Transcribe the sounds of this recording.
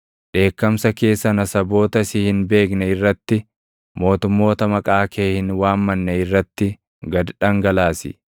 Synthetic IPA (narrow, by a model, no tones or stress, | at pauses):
ᶑe̞ːkːɐmsɐke̞ːsːɐnɐsɐbo̞ːt̪ɐsɪhɪnbe̞ːk̬nɛɪrːɐt̪ːɪ | mo̞ːt̪ʊmːo̞ːt̪ɐmɐkʼaːkʰeːhɪnwaːmːɐnːɐɪrːɐt̪ːɪ | ɡɐd̪ᶑɐŋɡɐlaːsɪ̰